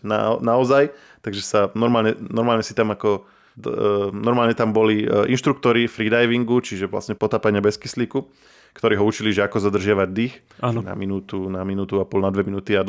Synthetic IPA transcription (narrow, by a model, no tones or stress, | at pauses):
na̰naɔzaj | t̪aɡʒɛsanɔɾmaːlɲɛnɔɾmaːlɲɛsit̪amakɔ | nɔɾmaːlɲɛt̪ambɔliʔinʃt̪ɾukt̪ɔɾifɾiːd̪ajʋiŋɡut͡ʃiʒɛʋla̰sɲɛpɔt̪aːpaɲɪabɛskisliku | kt̪ɔɾiːɦɔut͡ʃiliʒɛakɔzad̪r̩ʒɪaʋaɟd̪ix | aːnna̰minuːt̪unaminuːt̪uapɔlnad̪ʋɛminuːt̪iad̪